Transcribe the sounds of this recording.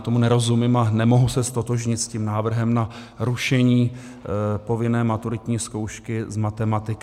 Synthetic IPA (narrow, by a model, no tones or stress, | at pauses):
t̪omunɛɾo̞zumɪmanɛmo̞ɦusɛst̪o̞t̪o̞ʒɲɪt̪sciːmnaːvr̩ɦɛmna | ɾuʃɛɲiː | po̞vɪnɛːmat̪uɾɪt̪ɲiːsko̞wʃkɪzmat̪ɛmat̪ɪk